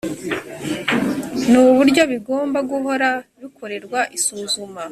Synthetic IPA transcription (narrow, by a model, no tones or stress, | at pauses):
nuβuɾɟo̞βiɡo̞ːmbaɡuɦo̞ɾaβikʰo̞ɾe̞ɾɡwaʔisuːzuma